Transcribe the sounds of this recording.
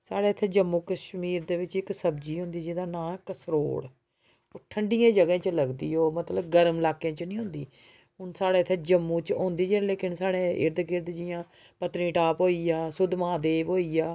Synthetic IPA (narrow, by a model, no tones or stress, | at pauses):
saːɽeːt̪ʰeːd͡ʒəmːũːkəʃmiːɾd̪eːʋɪt͡ʃɪksəbd͡ʒiːɦʊ̃nd̪iːd͡ʒɪd̪aːnãːkəsɾo̰ːɽ | oʈʰəɳɖijãːd͡ʒəɡãːt͡ʃləɡd̪iːoːmət̪ləbɡəɾmlaːkãːt͡ʃnĩːɦʊ̃ːnd̪iː | ɦʊnsaːɽeːt̪ʰːeːd͡ʒəmːũːt͡ʃɦõːnd̪iːd͡ʒeleːkɪnsaːɽeːɪ̰ɾd̪əkɪɾd̪d͡ʒɪjãː | pət̪ɾĩːʈaːpɦoːiːaːsʊd̪mãːd̪eːʋoːiːaː